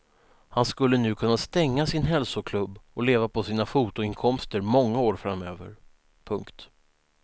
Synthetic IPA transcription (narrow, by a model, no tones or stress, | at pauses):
hanskɵlːənʉ̟ːkʰɵnːast̪ɛŋːasɪnɦɛlsʊkʰlɵbːɔleːvapʰɔsiːnafuːt̪ʊɪnkʰɔmst̪əɾmɔŋːaoːɾfɾamːøːvə̰ɾ | pʰɵŋkt̪